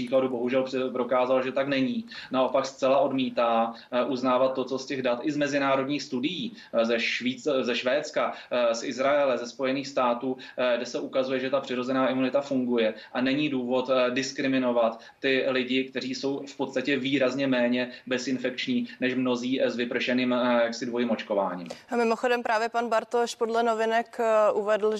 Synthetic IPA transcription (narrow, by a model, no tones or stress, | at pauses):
iːkladubo̞ɦuʒɛlpɾo̞kaːzalʒɛt̪aknɛɲiːnao̞pakst͡sɛlaʔo̞dmiːt̪aː | ʔuznaːvat̪ːo̞t͡so̞scɛɣdat̪ʔɪzmɛzɪnaːɾo̞dɲiːxst̪udɪjiː | zɛʃiːzɛʃvɛːt͡skasʔɪzɾaɛlɛzɛspo̞jɛniːxst̪aːt̪uːɡdɛsɛʔukazujɛʒɛt̪apr̥ɪɾo̞zɛnaːʔɪmunɪt̪afuŋɡujɛʔanɛɲiːduːvo̞t̪dɪskɾɪmɪno̞vat̪ːɪlɪɟɪk̚t̪ɛriːso̞wfpo̞t̪st̪acɛviːɾazɲɛmɛːɲɛbɛsɪnfɛk̚t͡ʃɲiːnɛʃmno̞ziːzvɪpr̩ʃɛniːmjaksɪdvo̞jiːmo̞t͡ʃko̞va̰ːɲḭːmmɪmoxodɛmpɾaːvjɛpanbaɾt̪oʃpodlɛnovɪnɛkʔuvɛdl̩